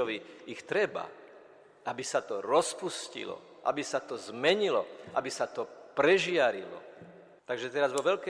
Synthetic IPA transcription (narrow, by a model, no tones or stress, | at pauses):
ɔʋiixt̪ɾɛba̰ | ʔabisat̪ɔɾɔspuscḭlɔ̰ | ʔa̰bisat̪ɔzmɛɲilɔ̰ʔabisat̪ɔpɾɛʒɪaɾilɔ̰ | t̪aɡʒɛt̪ɛɾazʋɔʋɛʎkɛ